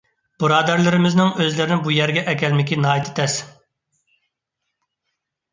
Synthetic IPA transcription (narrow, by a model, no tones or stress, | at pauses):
b̥ɨɾɑːd̪æɾlˠɪɾɪmɪznɪŋøzlɪɾɪnɪbujɛɾɡʲɛʔɛkʲɛlmɪkʲinɑːit̪ʰɪ̥t̪ʰɛs